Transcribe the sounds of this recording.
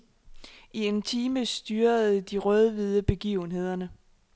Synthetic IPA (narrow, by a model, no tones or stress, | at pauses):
ie̝nt͡sʰiːməsd̥yːɐð̩ˠd̥iʁœð̞ˠəʋiðˠəb̥e̝ɡ̥ḭʊn̩ɦe̝ð̞̰ˠɐnə